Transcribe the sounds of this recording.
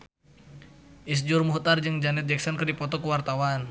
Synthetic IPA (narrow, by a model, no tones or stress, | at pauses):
ʔis̬d͡ʒʊrmuɦt̪ard͡ʒɨŋd͡ʒanɛt̪̚d͡ʒɛksɔnkərdipɔt̪ɔkəwart̪awan